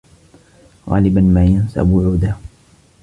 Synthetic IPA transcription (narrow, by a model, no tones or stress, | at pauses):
ɣɑ̰ːlɪbanmaːjansa̰bwʊʕuːd̪a